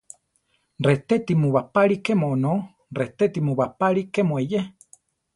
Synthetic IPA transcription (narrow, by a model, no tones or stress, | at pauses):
ret̪et̪imũβapaɺikemono | ret̪et̪imũβapaɾikemoeje